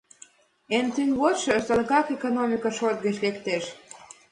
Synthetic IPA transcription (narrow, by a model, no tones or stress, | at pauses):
ent̪ynʲβot̪ʃɤsələkɑkekonomʲikəʃot̪̚ɣə̆t͡ɕlekt̪eʃ